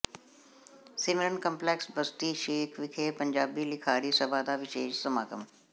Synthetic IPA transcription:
sɪmɪənkə̃mplɛksbəst̪iːʃeːkʰʋɪkʰeːpə̃ɲd͡ʒaːbiːlɪkʰaːɾiːsəbʱaːd̪aːʋɪʃeːʃsəmaːkə̰m

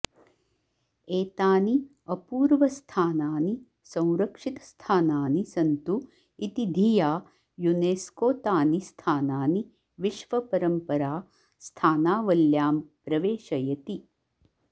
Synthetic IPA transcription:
eːt̪aːni | ɐpuːɾʋɐst̪ʰaːnaːni | sɐ̃w̃ɾɐkʂit̪ɐ̥st̪ʰaːnaːnisɐnt̪u | it̪id̪ʱijaː | juneːskoːt̪aːnist̪ʰaːnaːni | ʋiʃʋɐpɐɾɐmpɐɾaː | st̪ʰaːnaːʋɐljaːmpɾɐʋeːʃɐjɐt̪i

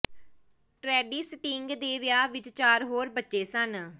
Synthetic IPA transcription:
ʈɾɛːɖiːsʈɪŋɡd̪eːʋɪjaːʋɪd̪t͡ʃaːɾɦoːɾbətːʃeːsən

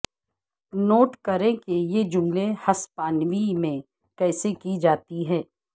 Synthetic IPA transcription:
noːʈkɐɾẽkejed͡ʒʊ̃ŋɡlehɐspaːnʋimẽ | kɛːsekid͡ʒaːt̪iɦɛː

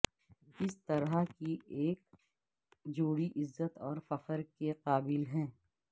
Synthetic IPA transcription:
ɪst̪ɐɾakieːk̚ | d͡ʒoːɽiʔɪzːət̪ɔːɾfɐfəɾkeqaːbɪlɦɛ̃ː

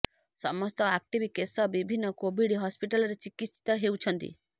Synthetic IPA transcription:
sɔmɔst̪ɔak̚ʈibʱikesɔbibʱinːɔkobʱiɽɦɔspiʈalɔɾet͡ʃikisi̥t̪ɔɦewt͡ʃʰɔnt̪ḭ

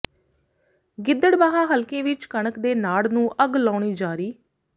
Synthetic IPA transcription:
ɡɪd̪əɽbaːɦãːɦəlkẽːʋɪt͡ʃkəɳəkd̪eːnaːɽnũːʔəɡlaːɳiːd͡ʒaːɾiː

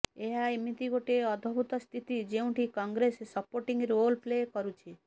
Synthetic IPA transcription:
eɦaemit̪iɡoʈeɔd̪ʱɔbut̪ɔst̪ʰit̪id͡ʒeũʈʰikɔ̃ŋɡɾesesəpoɾʈĩŋɡɾolplekɔɾut͡ʃʰe

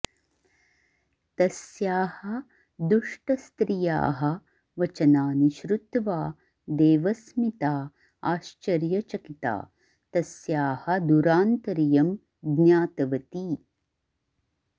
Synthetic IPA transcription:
t̪ɐsjaːhɐ̆ | d̪uʂʈɐst̪ɾija̰ːɦɐ̆ | ʋɐt͡ʃɐnaːniʃɾut̪ʋaː | d̪eːʋɐsmit̪aː | aːʃt͡ʃɐɾjɐt͡ʃɐkit̪a̰ː | t̪ɐsjaːhɐ̆d̪uɾaːnt̪ɐɾijɐm | ɡnaːt̪ɐʋɐt̪i

